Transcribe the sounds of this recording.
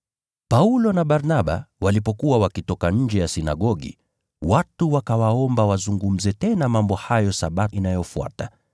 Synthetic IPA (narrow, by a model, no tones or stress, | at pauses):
paulɔnaɓaɾnaɓa̰walipɔkuwawakitɔkaɲ̩d͡ʒɛjasina̰ɠɔɠḭ | watuwakawaɔmbawazuŋɡum̩zɛtɛnamambɔhajɔsaɓaʔinajɔfua̰ta